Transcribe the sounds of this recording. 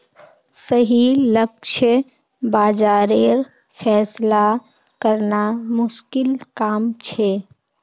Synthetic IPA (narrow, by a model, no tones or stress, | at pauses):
səɦiləkʃʰ | baːd͡ʒaːɾeːɾ | pʰɛːsla | kəɾnamʊʃkɪlkaːmt͡ʃʰeː